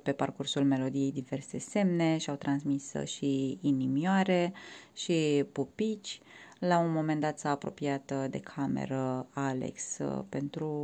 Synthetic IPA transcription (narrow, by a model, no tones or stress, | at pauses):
pe̞parkursulme̞lo̞d̪ije̞jd̪ive̞rse̞se̞mne̞ʃawt̪ɾansmisʃiːnimjoaɾe̞ʃipupit͡ʃʲlaunmo̞me̞nd̪at̪saːpɾo̞̰piat̪d̪e̞kʰamḛɾəalḛkspe̞nt̪ɾu